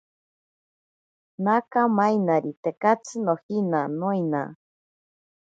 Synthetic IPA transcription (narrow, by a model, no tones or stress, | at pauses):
nakamajnaɾit̪ekat͡sʰɨnohinanojna̰